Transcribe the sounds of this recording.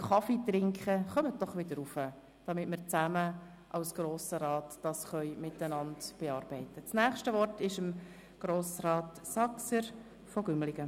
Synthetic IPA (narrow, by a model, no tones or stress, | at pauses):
χɑfitɾɪŋkχəχœmət̚d̥ɔχʋɪd̥əɾufə | d̥ɑmɪtməɾt͡sæmə | ʔɑʊsɡ̥ɾoːsəɾɑːtd̥ɑsχœʏmɪtənɑndb̥eɑːɾb̥ɛɪtət͡snæːχʃtəvɔrtɪʃəm | ɡ̥ɾoːsɾɑːt | sɑksəɾ | fɔɡ̥ʏmlɪɡ̥ə